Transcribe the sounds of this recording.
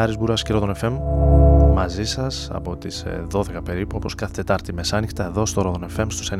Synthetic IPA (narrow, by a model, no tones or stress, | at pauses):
ɐɾizbuɾɐsceɾoðone̞fe̞mː | ɐzisɐsɐ̰po̞t̪isðo̞ðe̞kɐpe̞ɾipuo̞po̞skɐθt̪e̞t̪ɐɾt̪ime̞sɐnixt̪ɐe̞ðo̞st̪o̞ɾoðo̞ne̞fe̞mst̪u̥sen